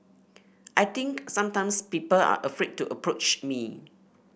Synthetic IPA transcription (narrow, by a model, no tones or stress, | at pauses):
ʔajt̪ɪ̃ŋksãmtãɪmspipəla̰ʔəfɹed̚tuʔəpɹot͡ʃmi